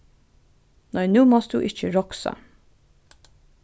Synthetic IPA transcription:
næɪnʉːmɔs̚d̪ʉ̰ːʔɪçəɹɔksɑ̰

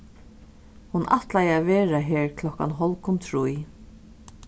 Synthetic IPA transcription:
hunʔa̰ht̪lajaːʋeːɹaɦɛːɹkʰlɔka̰nɦɔlkʊnt̪ʰɹuj

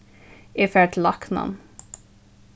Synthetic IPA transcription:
ɪːfɛʈlɑknɑ̰n

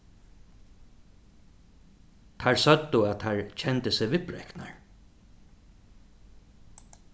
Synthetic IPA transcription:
t̪ʰaɹsœt̪ːʊat̪ʰaɹcʰɛnt̪əsɪʋɪpɾɛ̰kna̰ɹ

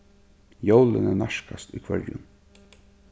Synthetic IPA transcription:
jowlɪnænaʃkast̪iːkʰvœɹjʊ̰n

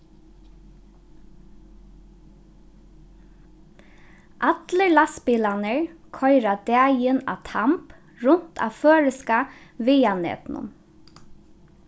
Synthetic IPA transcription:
ʔat̪ləɹlaspɪːlanəɹkʰɔʏɾad̪æːjəna̰t̪ʰamp | ɹʊn̥t̪ʰa̰føːɹɪskaʋɪːanɛ̰ːt̪nʊ̰m

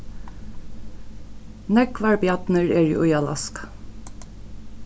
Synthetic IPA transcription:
nɛkʋɑɹbjɑt̪nəɹeːɹ̰ʔʊjɑlɑ̰sk

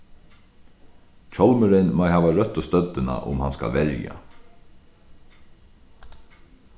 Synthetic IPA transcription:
t͡ʃʰɔlmʏɾɪnmajɦaːʋaɾœt̪ːɔst̪œt̪ːɪna̰ʔʊ̰mhanska̰lʋɛɾja̰

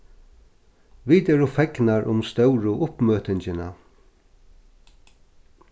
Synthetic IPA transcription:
ʋiːt̪ɛɾʊfɛknaɹʔʊ̰mst̪œwɾʊʔʊpmøːt̪ɪɲt͡ʃɪna̰

